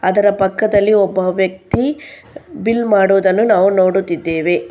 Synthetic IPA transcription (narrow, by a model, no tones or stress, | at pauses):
ɐd̪ɐɾɐpɐkːɐd̪ɐlːiɔbːɐʋjɐk̚t̪i | bilmaːɽuʋd̪ɐnːunaːʋuno̞ːɽut̪ːid̪ːeːʋe̞